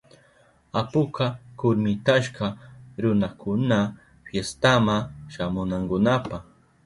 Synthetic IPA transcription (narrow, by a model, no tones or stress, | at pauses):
apʊkakʊɾmɪt̪aʃkaɾʊnakʊna | fjest̪amaʃamʊnaŋkʊnapaχ